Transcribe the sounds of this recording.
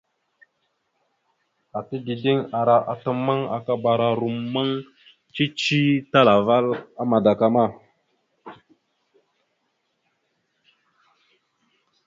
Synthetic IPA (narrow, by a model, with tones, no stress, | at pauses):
a˨ti˦ɡi˨di˦ŋa˨ɾa˨ʔa˨tə˦mə˦ŋa̰˨ka˦ba˨ɾa˨ɾu˨mːə˦ŋ | t͡ʃi˦t͡ʃi˦ta˦la˨va˦la˦ma˨da˨ka˨ma˦˨